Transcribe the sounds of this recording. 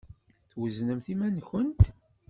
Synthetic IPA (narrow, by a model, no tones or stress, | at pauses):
θwəznəmθimænçənt̪